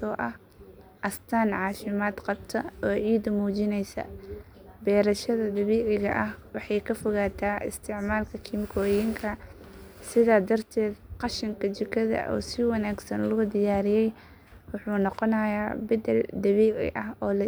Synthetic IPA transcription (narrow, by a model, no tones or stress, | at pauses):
sɔːʔɐh | ʔɐst̪ʰaːnʕɑːfɪmaːd̪qɑbt̪ʰɐɔːʕiːd̪muːt͡ʃɪnɛjsɐ̰ | bɛːɾɐʃɐðɐd̪ɐβiːʕɪɣɐʔɐhwɑħɑjkʰɐfɔɣaːt̪ʰaːʔɪ̰st̪ʰɪʕmaːlkʰɐkʰimkʰɔːjɪŋkʰɐ | sɪðaːd̪ɐrt̪ʰɛːd̪qɑʃɐŋkʰɐt͡ʃɪkʰɐðɐ̰ʔɔ̰ːsɪwɑnaːɡsɐnlʊʊd̪ɪjaːɾɪjɛj | wʊħuːnɔqɔnɐjaːbɐd̪ɛld̪ɐβiːʕɪ̰ʔɐɦɔːlɐ